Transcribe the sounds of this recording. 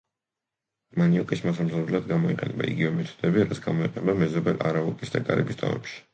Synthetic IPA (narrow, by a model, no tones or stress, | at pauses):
maniɔkʼismasamsaɾlad̪ɡamɔiqʼɛnɛba̰ḭɡivɛmɛt̪ʰɔ̥d̪̥ɛbiɾat̪sʰɡamɔiqʼɛnɛbamɛzɔbɛlʔa̰ɾaɔkʼisd̪akʼa̰ɾɛ̰bist̪ʼɔ̰mɛ̰pʃi̥